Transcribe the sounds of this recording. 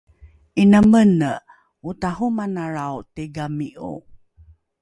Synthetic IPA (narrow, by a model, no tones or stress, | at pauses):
inəmənə | utaɦumanaɾawteɡamiʔṵ